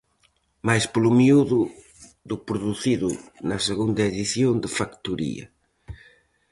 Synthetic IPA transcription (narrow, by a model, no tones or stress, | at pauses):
majsplʊmiuðʊ | ðʊpɾuðuθiðʊnɐseɣund̪ɐeðiθjond̪ɪfakt̪uɾḭɐ̰